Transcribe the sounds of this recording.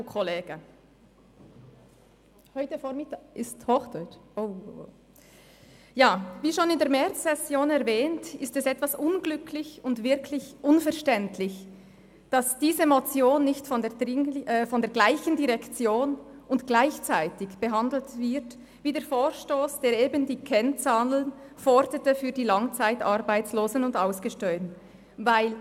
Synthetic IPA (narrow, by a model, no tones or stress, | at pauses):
kʰoleːɡ̥ə | hɔʏtəfoːɾmɪtaːɪsthɔxdɔʏt͡ʃʔo | jaːviːʃoːnɪndeːɐɾmɛɾt͡sːɛsjoːnɛɐvɛːntɪstɛsɛtv̥asʔʊnɡlʏkʰlɪçʊntvɪɐkʰlɪçʔʊnfɛɐʃtɛntʰlɪç | d̥asd̥iːzəmot͡sjoːnːɪçtfɔndeːɐɪŋːfɔndeːɐɡlaɪçən̩diʁɛkt͡sjoːnʊntɡ̥laɪçt͡saɪtɪçb̥əɦandl̩tv̥ɪʁt | viːdeːɐfoːɾʃtoːsd̥eːɾeːbəndiːkʰɛnt͡saːnənfɔɾdətəfyːɐdiːlaŋt͡saɪtaɾbaɪt͡sloːzn̩ʊndaʊsɡ̥əʃtœʏn | vaɪl